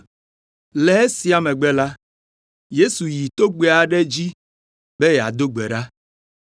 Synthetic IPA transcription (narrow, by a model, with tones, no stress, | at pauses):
le˨˦e˦si˨˦a˨me˨ɡ͡be˦la˦ | je˦su˨ji˨t̪o˦ɡ͡be˦a˨ɖe˦d͡ʑi˦ | be˦je˨a̰˨d̪o˦ɡ͡be˨ɖa˦